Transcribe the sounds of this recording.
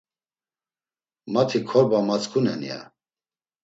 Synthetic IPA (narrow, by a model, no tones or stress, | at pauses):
mat̪ʰikʰɔɾbamat͡skʰunɛnḭja̰